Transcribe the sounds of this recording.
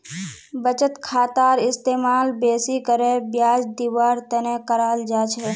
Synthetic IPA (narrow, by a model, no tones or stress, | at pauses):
bət͡ʃət̪kʰaːt̪aːɾɪst̪eːmaːlbeːsikəɾebjaːd͡ʒd̪iwaːɾt̪ɛnẽkəɾaːld͡ʒaːt͡ʃʰɛ